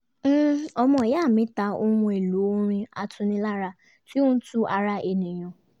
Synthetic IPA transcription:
m̩˦ɔ˧mɔ̃˨ja˦˨mĩ˨˦ta˧˦o˦hũ˧e˨lu˨˦ɾ̃ĩ˧a̰˧tʰʊ̃˨˧nĩ˧la˦ɾa˧ | ti˦ʊ̃˦n̩˦tu˦a˧ɾa˧e˨nĩ˨j̃ɔ̃˨

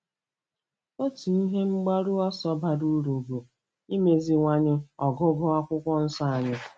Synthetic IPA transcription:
o˦ti˨i˦ɦe˦ŋ͡m̩˦ɡ͡ba˦ɾu˦ɔ˦sɔ˦ba˦du˦ɾo˨ɡo˨ | i˦me˦zi˦ŋʷa˦ɲɪ˦ɔ˨ɡʊ˦ɡʊ˦a˦kʷʊ˦kʷɔ˦n̩˦sɔ˦a˨ɲɪ˦

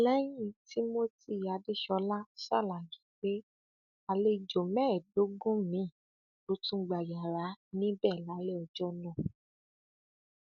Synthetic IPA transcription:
lɛ˦jĩ˦ti˦mo˦ti˦˨a˨˧de˦ʃɔ˧la˦sa̰˦˨la˨ji˨˦ɡ͡be˦ | a˧le˧˨d͡ʒo˨mɛ̃˦˨do˨˦ɡũ˦mĩ˦˨ | o˧˦tũ˦ɡ͡ba˨ja˨ɾa˨˦nĩ˦bɛ˦˨la˨˦le˦ɔ˧d͡ʒɔ˦nɔ̃˦˨

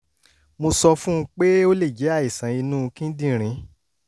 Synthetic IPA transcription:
mo˧sɔ˧fũ˦˧k͡pe˦o˦le˦˨d͡ʒe˨˦a˦˨i˨sã˨˦i˧nũ˦˧kĩ˦dĩ˦˨ɾ̃ĩ˨˦

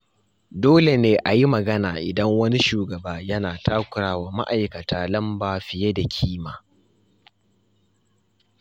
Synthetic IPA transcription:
doː˦le˨neː˦ʔa˨ji˦mɐ˨ɡɐ˦naː˨ʔɪ˨dɐ˦ŋwɐ˦ni˦ʃuː˨ɡɐ˨baː˦jɐ˦naː˨tʰaː˦kʷʊ˨ɾaː˦waː˨ma̰˦ʔa˨jkɐ˨taː˨lɐ˦mbaː˨ɸɪ˨je˦da˨kʲʰiː˦maː˨

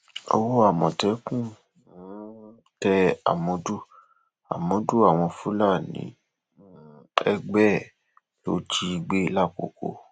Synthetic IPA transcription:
o̰˧wo˦a˦˨mɔ̃˨tɛ˨˦kũ˦˨ | ɔ̃˨˦ | tɛ˧a̰˨mɔ̃˨˦du˦ | a̰˨mɔ̃˨˦du˦a˦˨w̃ɔ̃˧fũ˦la˦˨nḭ̃˨˦ | ɛ˧ɡ͡bɛ˦˨ | lo˦tʰi˧˦i˧ɡ͡be˦la˦˨ko̰˨ko̰˧˦

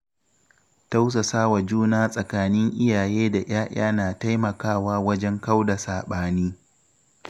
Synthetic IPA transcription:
ta˦ws̬a˨saː˦wa˨d͡ʒuː˦naː˦sʼɐ˨kaː˦nɪ˦ŋʔɪ˦jaː˨jeː˦da˨ʔaː˦ʔaː˦naː˨ta˦jmɐ˨kaː˦˨waː˦wɐ˦d͡ʒɛ˦ŋka˦wda˨saː˨ɓaː˦niː˦

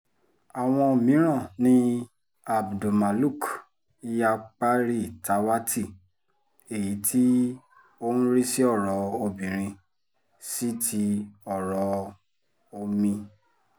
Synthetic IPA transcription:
a˨w̃ɔ̃˧o˨mĩ˨˦ɾ̃ã˦˨nĩ˦ | a˨bdo˨ma˨lu˦˨k | i˧˦ja˧k͡pa˦ɾi˦˨ta˨˦wa˦ti˦˨ | e˨ji˨˦tʰi˦ | o˦ũ˦ɾi˦si˦ɔ˦˨ɾɔ˨˧˦o˧bĩ˨ɾ̃ĩ˧ | si˦tʰi˧ɔ˨ɾɔ˨˦ | o˧mĩ˧

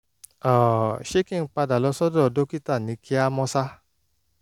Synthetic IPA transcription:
ɔ˨ʃe˦kĩ˦˨ŋ̩˦k͡pa˧da˨lɔ˧˦sɔ˦dɔ˦ɔ˧˦do˦ki˦ta˦˨nĩ˨˦ki˦a˧mɔ̃˧sa˦

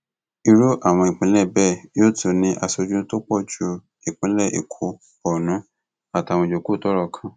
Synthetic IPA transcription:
i˧ɾo˦ʔa˦˨w̃ɔ̃˧i˨k͡pĩ˨˦lɛ˦˨bɛ˦˨joː˦˨tʰo˧˨nĩ˧ʔa˧so˧d͡ʒũ˦to˦k͡pɔ˦˨d͡ʒu˧ | i˨k͡pĩ˨˦lɛ˦˨ʔḭ˨kʰo˨˦ | ɔ˨nũ˨˦ | a˦˨ta˨wɔ̃˧˨d͡ʒo˨ku˦˨tɔ˦ɾɔ˦˧˨kʰã˦˧

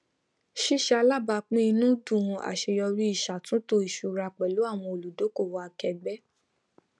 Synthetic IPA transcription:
ʃi˦˨ʃa˦˧la˦˨ba˧k͡pĩ˦i˧nũ˦dũ˦˨˧a̰˨ʃe˧jɔ˧ɾi˦i˦˨ʃa˨tũ˨˦to˧i˦˨ʃu˨ɾa˧k͡pɛ˨lo˨˦a˦˨w̃ɔ̃˧o˨lu˨do˨˦ko˦˨wa˨˧a˧kɛ˧ɡ͡bɛ˦

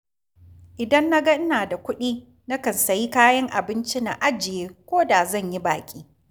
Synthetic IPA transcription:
ʔɪ˨dɐ˦nːa˦ɡɐ˦ʔɪ˦naː˨da˨kʷʊ˦ɗiː˦ | na˦kɐ˨nsɐ˨ji˦kaː˦jɐ˦ŋʔa̰˨bɪ˦nt͡ʃi˦na̰˨ʔa˦d͡ʒɪ˨jeː˦kʷoː˦da˨zɐ˦˨ɲji˦baː˨kʲʼiː˦

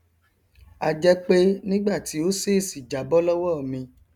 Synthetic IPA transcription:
a˨d͡ʒɛ˧k͡pe˦nĩ˦ɡ͡ba˦˨ti˨˦o˦se˦˨si˨d͡ʒa˨˦bɔ˦lɔ˦wɔ˦˨mĩ˧

